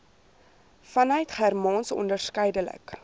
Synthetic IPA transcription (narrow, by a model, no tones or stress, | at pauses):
fɐnœɥtχærmɑnsɔ̰ndərskɛjdələ̰k